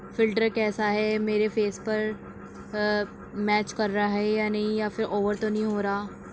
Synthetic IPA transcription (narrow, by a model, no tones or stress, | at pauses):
fɪlʈəɾkɛːsaɦɛmeːɾefeːspɐɾ | mɛːt͡ʃkɐɾːaɦɛjanɐɦĩjafɪɾʔoːʋəɾt̪onɐɦĩɦoːɾaː